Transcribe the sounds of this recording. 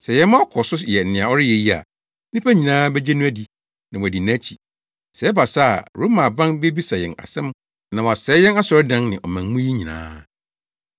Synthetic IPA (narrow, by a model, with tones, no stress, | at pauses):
sɛ˨jɛ˨˦mã˦kʰɔ˨sʊ˦˨jɛ˨n̩˨nɪ̃˨a˨ɔ˦ɾɪ˦jɛ˨ji˦a̰˨˦ | nĩ˦pʰæ˦ɲĩ˨nãː˦bɛ˦d͡ʑɛ˦nʊ̃˦æ˦di˨ | nã˨w̃æ˨di˨n˦æ̃˦t͡ɕʰi˨ | sɛ˨˦ɛ˦ba˨sa˦a̰˨ɾu˨˦mã˨bã˦nbe˦bi˦sa˨jɛ˨na̰˨sɛ̃˦m | nã˨wɔ˨a˨sɛ˨˦jɛ˦na˦sɔ˨ɾɛ˦dã˦nnɪ̃˨ʔɔ˨mæ̃˨ŋ˦mʊ̃˦ji˦ɲĩ˨nã̰ː˦